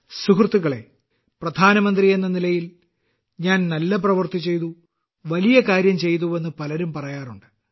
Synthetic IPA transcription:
sukrɨt̪ːuɣɐɭe̞ | prɐd̪ʱaːnɐmɐnd̪rije̞nːɐnilɐjil | ɲaːnnɐlːɐp̬rɐʋɨrt̪it͡ɕːe̞jt̪u | ʋɐlijɐkaːɾjɐmt͡ɕe̞jt̪̬uʋe̞nːɨpɐlɐɾumpɐrɐjaːruɳɖɨ

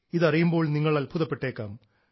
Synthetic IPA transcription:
iðɐrijumbo̞ːɭniŋːɐɭaːlbʰʱuðɐpːeʈːeːkːaːm

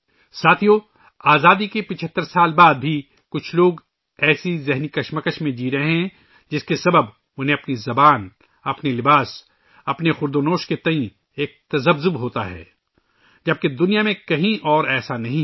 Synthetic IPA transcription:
saːt̪ʰijo | aːzaːd̪ikepɪt͡ʃʰət̪ːəɾsaːlbaːd̪̚bʱi | kʊt͡ʃʰloːɡ | ɛːsizɛɦnikɐʃməkəʃmẽd͡ʒiːɾɐɦeɦɛ̃ | d͡ʒɪskesɐbəb | ʊnɦẽɐpnizɐbaːn | ɐpnelɪbaːs | ɐpnexʊɾd̪oːnoːʃket̪ɐĩ | eːk̚t̪ɐzəbzʊbɦoːt̪a̰ɦɛ̰ː | d͡ʒɐb̚ked̪ʊnijamẽkɐɦĩʔɔːɾɛːsanɐɦĩ

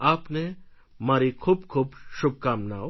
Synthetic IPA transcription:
aːpne | maːɾikʰuːbkʰuːbʃʊb̚kaːmnao

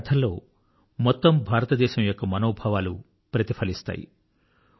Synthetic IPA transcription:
t̪ʰɐlːo̰ː | mɔt̪ːɔmbʱaːɾɐt̪ɐd̪eːsɐmjokːɐmɐnoːbʱaʋalu | pɾɐt̪ipʰɐlist̪a̰ːjḭ

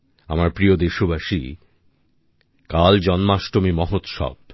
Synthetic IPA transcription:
amaɾpɾiod̪eʃobʱaʃḭ | kald͡ʑɔnmaʃʈomimɔɦot̪ʃɔ̰b̚

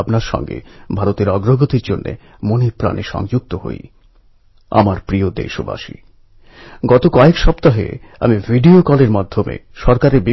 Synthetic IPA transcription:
bnaɾʃɔ̰ŋɡḛbʱaɾot̪eɾɔɡɾoɡot̪iɾd͡ʑonːḛ | monepɾa̰niʃɔ̰ŋd͡ʑuɡ̚t̪oɦo̰j | a̰maɾpɾiod̪ḛʃoba̰ʃḭ | ɡɔt̪okɔekʃɔpt̪aɦḛ | a̰mivʱiɖiokɔleɾmad̪ʱːomḛʃɔɾkaɾebi

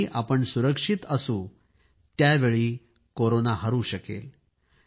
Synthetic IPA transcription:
iʔapəɳsuɾəkʂit̪əsũː | t̪jaʋeɭiː | koɾonaɦəɾũːɕəkḛl

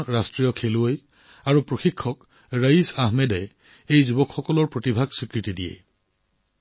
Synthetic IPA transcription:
ɹastɹijɔkʰeluoj | aɹupɹoxikʰːɔk | ɹaisaɦmedɛ | ejzubɔkxɔkɔlɔɹpɹotibʱaɡsikɹitidijḛ

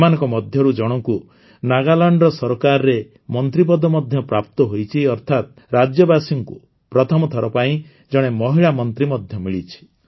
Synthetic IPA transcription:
manɔ̃ŋkɔmɔd̪ʱjɔɾud͡ʒɔɽ̃ɔŋku | naɡalaɳɖɾɔsɔɾɔkaɾɔɾe | mɔnt̪ɾip̬ɔd̪ɔmɔd̪ʱjɔpɾap̚t̪ɔɦojt͡ʃʰiɔɾt̪ʰat̪ | ɾad͡ʒjɔbasiŋku | pɾɔt̪ʰɔmɔt̪ʰɔɾɔpaĩ | d͡ʒɔɽ̃emɔɦiɭamɔnt̪ɾimɔd̪ʱjɔmiɭit͡ʃʰi̥

